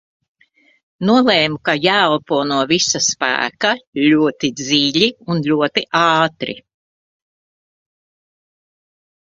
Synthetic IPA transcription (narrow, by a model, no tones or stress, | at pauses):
nuɔlˠɛːmukajælpuɔnuɔvisaspæ̰ːkaʎʲuɔt̪id̪ziːʎʲiunlʎʲuɔt̪iʔɑːt̪ɾḭ